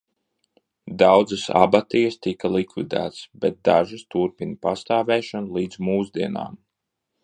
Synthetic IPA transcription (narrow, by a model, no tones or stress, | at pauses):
d̪awd̪zasa̰bat̪ijɐst̪ikalˠikvḭd̪æ̰ːt̪sbɛt̪̚d̪aʒɨst̪uɾpinpast̪aːvɛːʃanlˠiːd̪z̥muːzd̪iɛna̰ːm